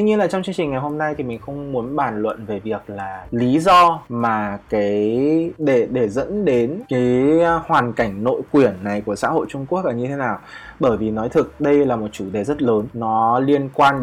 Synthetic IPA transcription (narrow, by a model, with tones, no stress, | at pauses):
t̪i˧ɲi˧ənlaː˨˩t͡ɕɔ˧wŋ͡mt͡ɕɨ˧əŋt͡ɕï̟˨˩ŋa˨˩jɦo˧mna˧jt̪ʰi˨˩mi˨˩ŋ̟xə˧wŋ͡mmu˨˦ənɓaː˧˩nlwə̰˧˨nve˨˩vi˨˩ək̚laː˨˩li˨˦zɔ˧maː˨˩kaː˨˦jɗe˧˩ɗe˧˩zə̰˧˥nɗe˨˦nkaː˨˦jhwaː˨˩nka˧˩jŋ̟no̰˧˨jkwi˨˩ənːa˨˩jku˧˩əsa̰ː˧˥ho̰˧˨jt͡ɕʊ˧ŋ͡mku˦˥ək̚ʔaː˨˩ɲɨ˧t̪ʰe˨˦naː˨˩wɓəː˧˩jvi˨˩nɔ˨˦jt̪ʰɨ˨˩k̚ɗə˧jlaː˨˩mo˨˩t̚t͡ɕu˧˩ɗe˨˩zə˦˥t̚ləː˨˦nːɔ˨˦li˧ənkwaː˧n